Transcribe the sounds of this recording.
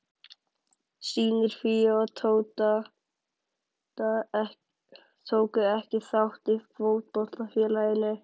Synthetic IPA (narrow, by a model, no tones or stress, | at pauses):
siːnɪɾ̥fiɔt̪ʰowt̪a | t̪ʰoːwkʏɛhcɪθawht̪ɪkʰvoːwt̪̚pɔht̪afjɛnajɪnːʏ